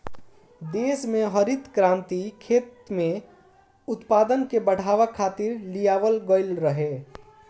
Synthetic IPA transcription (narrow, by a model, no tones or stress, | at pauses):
d̪esmeɦəɾit̪kɾãnt̪ikʰet̪me | ʊt̪pad̪ənkebəɽ̤aʋəkʰːat̪iɾlijaʋəlɡəɪlɾəɦe